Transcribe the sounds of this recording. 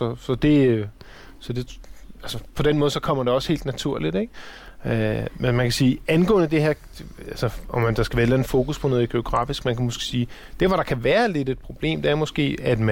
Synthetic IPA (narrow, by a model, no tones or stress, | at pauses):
sɒ̽sɒ̽d̥e̝ | sɒ̽d̥e̝ælsəpʰɒ̽d̥enmɔ̽ðˠsɒ̽kʰɒ̽m̰ɐd̥e̝ɒ̽she̝̰ːld̥næt͡sʰuɐ̰lid̥eɡ̥ømenmænkʰæsiːænɡ̥ɔ̰̽ːnəd̥e̝heɐ̰ | ælsəɒmːænd̥ɑ̈sɡ̥æʋæɐelænð̩fo̝ːkuspʰɒ̽nɔ̽ːð̩ˠɡ̥e̝o̝ɡ̥ʁɑ̰̈ːfisɡ̥mænkʰæmosɡ̥siːd̥e̝ɐʋɒɾ̥ɑ̈kʰæʋæːɐle̝d̥e̝d̥̚pʰʁo̝b̥le̝̰ːmd̥eæɐmɔ̽sɡ̥e̝̰ːæd̥mæ